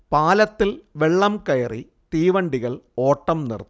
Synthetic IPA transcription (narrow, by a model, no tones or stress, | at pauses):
paːlɐt̪ːilʋe̞ɭːɐmkɐjɐri | t̪iːʋɐɳɖiɣɐɭo̞ːʈːɐmnḭrt̪ː